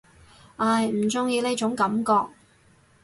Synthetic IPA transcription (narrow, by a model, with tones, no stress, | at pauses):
ʔaː˧˩jm̩˨˩t͡sʊ˥˧ŋjiː˧le˥jt͡ʃʊ˨˥ŋkɐ˨˥mkɔː˧k̚